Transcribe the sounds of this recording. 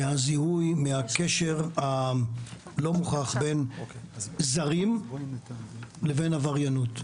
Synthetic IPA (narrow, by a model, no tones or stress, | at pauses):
hazihujmehakeʃe̞ʁha | lo̞muχaχbe̞n | zaʁim | leve̞navaʁjanut